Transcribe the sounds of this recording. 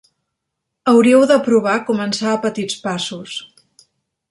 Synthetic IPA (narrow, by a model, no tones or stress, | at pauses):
əwɾiəwðəpɾuβ̞akumənsaːpət̪it͡spasus